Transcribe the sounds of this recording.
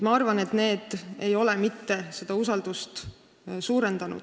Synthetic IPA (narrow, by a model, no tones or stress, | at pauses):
mɑɑrvɑne̞t̪ne̞ːd̪̥e̞jo̞lɛmit̪ːe̞se̞d̪̥ɑusɑld̪̥ust̪ | suːɾe̞nd̪̥ɑnṵd̪̥